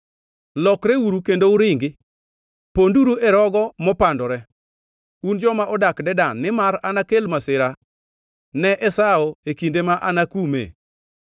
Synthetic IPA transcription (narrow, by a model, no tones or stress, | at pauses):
lɔkɾɛwuɾukendoʊɾɪŋɡɪ | ponduɾuʔɛɾɔɡɔmɔpandɔɾɛ | und͡ʒɔmaʔɔdakdɛdanːɪmaɾanakelmasɪɾa | nɛʔɛsaɔekindemaʔanakumḛ